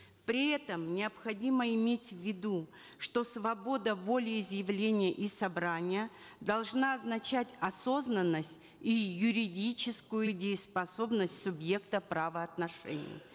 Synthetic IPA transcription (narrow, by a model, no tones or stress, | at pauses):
pɾʲɪɛt̪əmnʲɪəpxɐdʲiməɪmʲetʲvʲɪd̪u | ʂt̪o̞svɐbo̞d̪əvo̞lʲɪːzjɪvlʲenʲɪjəʔisɐbɾanʲɪjə | d̪ɐlˠʐnaɐznɐt͡ɕætʲɐso̞znənːəsʲtʲ | ijʊɾʲɪdʲit͡ɕɪskʊjʊdʲɪːspɐso̞bnəsʲtʲsʊbje̞kt̪əpɾavəɐt̪nɐʂɛ̰nʲɪ̰j̰